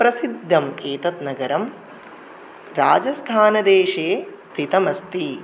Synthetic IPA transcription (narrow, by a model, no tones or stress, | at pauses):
pɾɐsid̪ʱːɐmeːt̪ɐt̪nɐɡɐɾɐm | ɾaːd͡ʒɐst̪ʰaːnɐd̪eːʃeːst̪ʰit̪ɐmɐst̪i